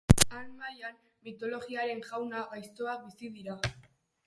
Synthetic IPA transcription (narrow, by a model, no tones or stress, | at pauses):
anmajan | mit̪o̞lo̞ɣiaɾe̞ŋʝawnaɣajst̪o̞ak̚bisiðiɾa